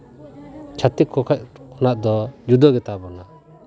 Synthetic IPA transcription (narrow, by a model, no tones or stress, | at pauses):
t͡ʃʰat̪ikʰɔkʰac̚kʰɔnaʔd̪ɔd͡ʒud̪ɔɡɛt̪abɔna